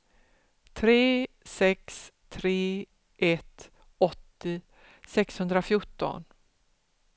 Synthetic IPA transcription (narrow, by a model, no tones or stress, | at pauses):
t̪ʰɾeː | sɛkst̪ʰɾeː | ʔɛt̪ | ɔt̪ːɪ | sɛkshɵnd̪ɾafjʊʈːɔ̰n